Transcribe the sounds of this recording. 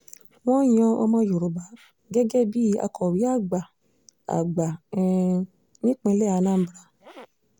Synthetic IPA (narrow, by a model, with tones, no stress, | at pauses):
w̃ɔ̃˦j̃ɔ̃˧o˧mã˧jo˨ɾo˨ba˨˦ | ɡɛ˦ɡɛ˦bi˦a̰˧kʰɔ˨ɾi˨˦a˦˨ɡ͡ba˨ | a̰˨ɡ͡ba˨˧ | nĩ˦k͡pẽ˧˦lɛ˦˨a˧˦nãː˦˨˦bɾa˧